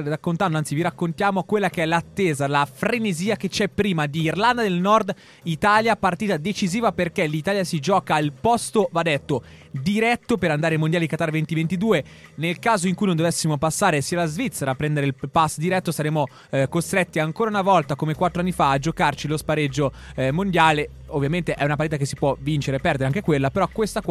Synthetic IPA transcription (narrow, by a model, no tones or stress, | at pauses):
rakːont̪and̪oant̪siviɾakːont̪jaːmokwelːakeɛlat̪ːeːzalafɾeneziːaket͡ʃɛpːɾiːmad̪iːrland̪ad̪elnɔrd̪ | it̪aːljapart̪iːt̪ad̪et͡ʃiziːvaperkelit̪aːljasid͡ʒɔːkailpɔst̪ovad̪ɛt̪ːo | d̪iɾɛt̪ːopeɾand̪aːɾemond̪jaliikat̪aːrvent̪ivent̪id̪uːe | nelkaːzoiŋkuijnõnd̪ovesːimopasːaːɾesiːalazvit̪seɾaːpːɾɛnd̪eɾeilpasːd̪iɾɛt̪ːosaɾeːmo | kost̪ɾet̪ːiaŋkoːɾaunavɔlt̪akomekwat̪ːɾoanːifaːd͡ʒokart͡ʃilospaɾed͡ʒːo | mond̪jaːle | ovːjament̪eʔɛunapaɾrt̪it̪ak̬esːipwɔvint͡ʃeɾepɛrd̪eɾeaŋkekwelːapeɾɔkːwest̪ak